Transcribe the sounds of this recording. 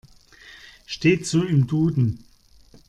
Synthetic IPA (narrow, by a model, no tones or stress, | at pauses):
ʃteːtt͡suːɪmduːdn̩